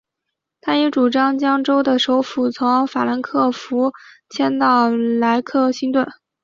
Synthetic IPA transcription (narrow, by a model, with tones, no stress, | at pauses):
t̪ʰa˥jɛ˧˥ʈ͡ʂu˨˩ʈ͡ʂɑ˥ŋt͡ɕjɑ˥ŋʈ͡ʂo˥ʊd̪ə˨ʂo˧˥ʊfu˥˩t͡sʰʊ˧˥ŋfa˨˩la˧˥nkʰɤ˥˩fu˧˥t͡ɕʰjɛ˥nt̪ɑ˥˩ʊla˧˥ɪkʰɤ˥˩ɕi˥ŋt̪wə˥˩